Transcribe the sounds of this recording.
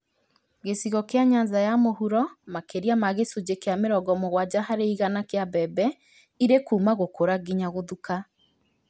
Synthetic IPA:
ɣesiɣɔkejaɲanzajamohuɾɔmakeɾiamaɣesud͡ʑekeameɾɔɡɔmoɣwad͡ʑaɦaɾeiɣanakeabɛbɛ | iɾekuːmaɣokoɾaɡiɲaɣoðuka

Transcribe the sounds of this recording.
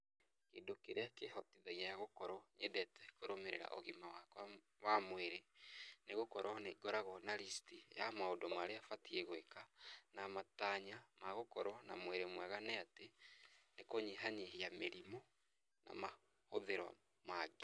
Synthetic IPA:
keːndokeɾeakehɔtiðaiajaɣokɔɾɔɲedɛtɛkoɾomeɾḛɾa̰ʔo̰ɣimawakwa | wamweɾeneɣokɔɾɔneɡɔɾaɣɔnaɾistija̰maodɔmaɾeafatieɣwekanamataɲamaɣokɔɾɔna̰mweɾemwaɣanɛatenekoɲeɦaɲeɦejameɾimɔ | na̰ma | hoðeɾwa̰ | maɡe

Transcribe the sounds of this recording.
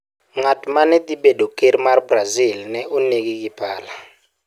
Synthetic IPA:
ŋatʰʼmanɛd̪iɓɛdɔkʼirmarbrazilnɛʔunek̬ik̬ibʰʱaːla

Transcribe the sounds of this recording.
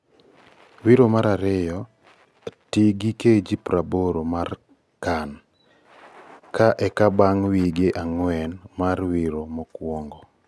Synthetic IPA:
wiɾomaɾaɾɪjɔ | tiɡiked͡ʒipɾaboɾomar | kan | kaʔɛkabaŋwiɡeʔaŋwɛnmarwiɾomɔkwɔŋɡɔ

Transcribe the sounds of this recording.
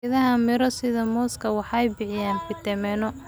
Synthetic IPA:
ɪðɐɦɐmɪɾɔsɪðɐmɔːskʰɐwɑħɑjbɪʕɪjaːnfɪt̪ɛmɛnɔ

